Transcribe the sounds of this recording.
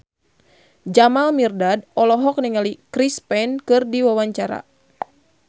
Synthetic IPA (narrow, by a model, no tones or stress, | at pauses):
d͡ʒamalmirdadɔlɔɦɔk̚niŋalikɾispɛnkɨrdiwawaɲt͡ʃaɾa̰